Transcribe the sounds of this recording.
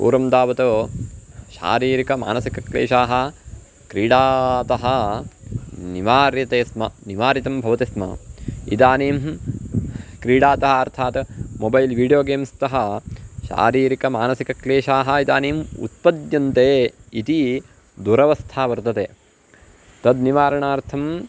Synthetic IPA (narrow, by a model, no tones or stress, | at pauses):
pṵːɾɐmd̪aːʋɐt̪oː | ʃa̰ːɾiːɾikɐma̰ːnɐsikɐklḛːʃaːɦɐ | kɾiːɖaːt̪ɐɦɐ | niʋaːɾjɐt̪eːsmɐniʋaːɾit̪ɐmbʱɐʋɐt̪ismɐ̰ḭd̪aːniːm | kɾiːɽaːt̪ɐɦɐɐɾt̪ʰaːt̪mobɐjlʋiːɖijoːɡeːmst̪ɐɦɐʃa̰ːɾiːɾikɐmaːnɐsikɐkleːʃaːɦɐid̪aːniːmṵt̪̚pɐd̪jɐnt̪eːit̪i | d̪uɾɐʋɐst̪ʰaːʋɐɾt̪ɐt̪eː | t̪ɐd̪niʋaːɾɐɳaːɾt̪ʰɐm